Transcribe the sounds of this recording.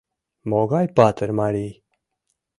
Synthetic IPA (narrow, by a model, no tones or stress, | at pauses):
mɔɡajpat̪əɾmaɾi